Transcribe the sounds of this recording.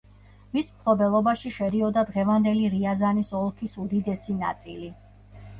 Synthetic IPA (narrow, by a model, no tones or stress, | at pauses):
mismkʰɾɔbɛlˠɔbaʃiʃɛɾiɔd̪ad̪ʁɛvand̪ɛliɾiazanisɔlˠkʰisud̪id̪ɛsina̰t̪sʼili